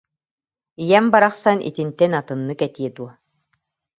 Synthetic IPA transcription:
ijɛmbaɾaχsanʔḭt̪int̪ɛnat̪ɯnːɯkɛt̪iɛd̪uɔ

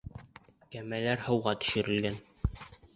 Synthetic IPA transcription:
kæmælæɾhɤ̆wʁɑt̪ɵ̥̆ʃɘ̆ɾɘ̆lɡæn

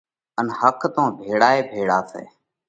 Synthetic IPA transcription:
ənhəkt̪õːbʱeːɽaːeːbʱeːɽaːsḛː

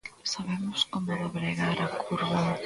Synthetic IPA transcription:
saβemoskomoðaβɾeɣaɾakʰuɾβaŋ

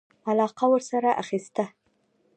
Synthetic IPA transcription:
alɑqawəɾsaɾaʔaxist̪a

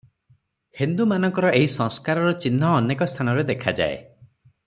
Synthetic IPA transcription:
hind̪umanɔŋkɔɾɔeɦisɔ̃ŋskaɾɔɾɔt͡ʃinɦɔːnekɔst̪ʰanɔɾed̪ekʰad͡ʒa̰ḛ

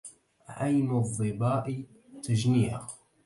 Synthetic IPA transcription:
ʕajmʊðˤːɨbɑːʔi | t̪ad͡ʒniːʕa̰

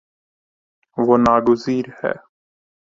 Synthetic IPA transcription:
ʋoːnaːɡʊziːɾhɛ̰ː

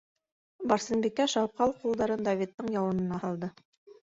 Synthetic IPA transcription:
bɑɾsɘ̆nbikːæʃɑwp̚qɑlˠqulˠd̪ɑɾɤnd̪ɑvʲit̪ːɤɴjɑwɤ̆nɤ̆nɑhɑlˠd̪ɤ

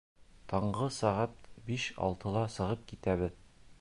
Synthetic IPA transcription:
t̪ɒɴʁɤsɒʁæt̪biʃɒ̰lˠt̪ɤ̆lˠɑsɤ̆ʁɤp̚kit̪æβɘð

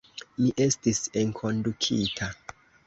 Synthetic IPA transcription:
miʔe̞stiseŋkʰo̞ndukʰitʰa

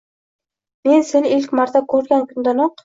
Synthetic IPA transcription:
mensenilkʲmɑɾt̪akʲʰɵɾɡʲankʲʰʊnd̪anoq

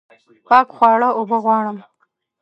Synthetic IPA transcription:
pɑːkxwɑːɽaobəɣwɑːɽəm

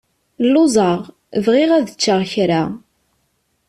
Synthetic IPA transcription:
lːʊzˤɑʁ | vʁiʁæðət͡ʃːəʁçɾa

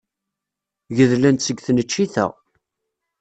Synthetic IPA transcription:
ʝəðlænt̪səɡθnət͡ʃːiθæ̰ʁ

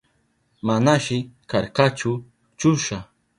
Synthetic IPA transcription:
manaʃɪkaɾkat͡ʃʊ | t͡ʃʊʃa

